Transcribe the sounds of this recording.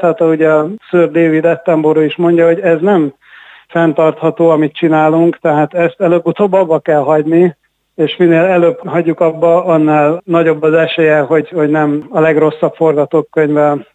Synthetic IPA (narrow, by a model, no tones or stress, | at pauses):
at̪ɒuɟɛɒsøːrd̪eːvid̪ɛt̪ːɛmboɾoːiʃmo̞ɲɟɒɦo̞ɟɛznɛm | fɛnt̪ɒrt̪hɒt̪oːɒmit̪t͡ʃinaːluŋkt̪ɛɦaːt̪ɛst̪ɛløːbːut̪oːbːɒbːɒkɛlɦɒɟni | eːʃmineːlɛløːbɦɒɟːukɒbːɒɒnːaːlnɒɟo̞bːɒzɛʃeːjɛɦo̞ɟho̞ɟnɛmɒlɛɡro̞sːɒpfo̞rɡɒt̪oːkːøɲvɛ